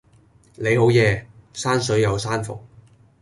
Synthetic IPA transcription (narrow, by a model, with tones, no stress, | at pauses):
ne˨˧jho˨˥wjɛː˨˧saː˥nsɵ˨˥ɥjɐ˨˧wsaː˥nfʊ̰˨k̚